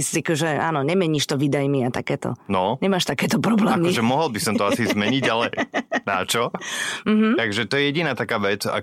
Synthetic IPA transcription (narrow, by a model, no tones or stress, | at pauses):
szikuʒɛaːnɔɲɛmɛɲiːʃt̪ɔʋid̪ajmiat̪akɛːt̪ɔ̰nɔɲɛmaːʃt̪akɛːt̪ɔpɾɔblɛːamiʒɛmɔɦɔlbisɔmt̪ɔasizmɛɲiɟalɛnat͡ʃɔm̩ɦm̩aɡʒɛt̪ɔjɛjɛɟinaːt̪akaːʋɛt͡sa̰